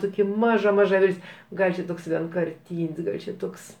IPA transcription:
ˈtoːkʲɛ ˈmɑːʒɐ ˈmɑːʒɐ ˈʋʲɪlʲtʲsʲ ˈɡɐlʲ t͡ʃʲɛ ˈtoːks ʋʲiɛŋkɐrʲˈtʲiːnʲsʲ ˈɡɐlʲ t͡ʃʲɛ ˈtoːks

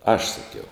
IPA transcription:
ɐʃ sɐˈkʲɛʊ

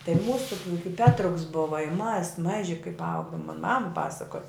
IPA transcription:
tɐɪ ˈmuːsʊ jʊk ɪ pʲɛtrʊks bʊʋɐ ɪ mɐs ˈmɑːʒʲɪ kɐɪp ˈɐʊɡoːm moːn mɐm ˈpɑːsɐkoːj

